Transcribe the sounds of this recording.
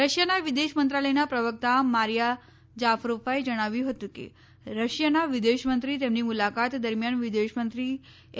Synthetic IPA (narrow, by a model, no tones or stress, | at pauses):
ɾəɕjanaʋid̪eɕmənt̪ɾaləjnapɾəʋək̚t̪amaɾija | d͡ʑafɾofaid͡ʑəɽ̃aʋiːɦot̪ũkḭ | ɾəɕjanaʋid̪eɕmənt̪ɾiːt̪jemniːmulakat̪d̪əɾmjanʋid̪eɕmənt̪ɾiː